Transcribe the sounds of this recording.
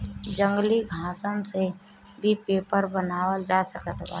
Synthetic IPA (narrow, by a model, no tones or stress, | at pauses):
d͡ʒə̃ŋɡliɡʱãːsənse | bʱipeːpəɾbənaːwəld͡ʒaːsəkət̪ba̰ː